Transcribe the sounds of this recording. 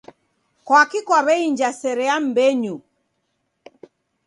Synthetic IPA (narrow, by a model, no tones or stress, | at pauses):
kwakikwaβɛiɲd͡ʒasɛɾɛam̩bɛɲu